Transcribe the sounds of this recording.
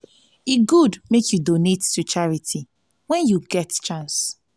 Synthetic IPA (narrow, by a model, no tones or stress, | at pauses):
iɡudmekjudonettut͡ʃaɹitʰi | wɛ̃njuɡɛtt͡ʃãns